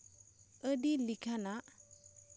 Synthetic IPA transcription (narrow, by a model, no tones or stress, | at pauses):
ədilikʰana